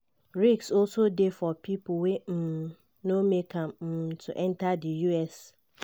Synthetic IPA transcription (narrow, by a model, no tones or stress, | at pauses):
ɹiksɔlsodefɔpʰipʰʊwem̩ | nomekʰãmm̩tʰuʔɛ̃ntʰadijuɛs